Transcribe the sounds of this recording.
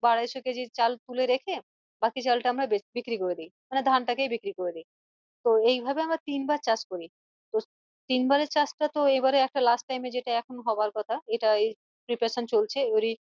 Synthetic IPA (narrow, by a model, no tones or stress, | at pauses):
baɽad̪eʃoked͡ʑit͡ɕalt̪uleɾekʰe | bakit͡ɕalʈaamɾabebikɾikoɾed̪ejmaned̪ʱanʈakejbikɾikoɾed̪ej | t̪oejbʱabeamɾat̪inbaɾt͡ɕat͡ɕkoɾi | t̪o | t̪inbaɾet͡ɕasʈat̪oebaɾeɛk̚ʈalasʈʈajmed͡ʑeʈaɛkʰonoɦɔbaɾkɔt̪ʰaeʈaej | pɾipaɾaʃont͡ɕolt͡ɕʰeoɾi